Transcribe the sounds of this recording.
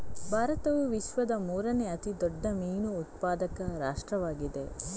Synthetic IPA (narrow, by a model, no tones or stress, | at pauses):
bʱaːɾɐt̪ɐʋuʋiʃʋɐd̪ɐmuːɾɐneɐt̪id̪ɔɖːɐmiːnuːt̪̚paːd̪ɐkɐɾa̰ːʂʈɾɐʋaːɡid̪e̞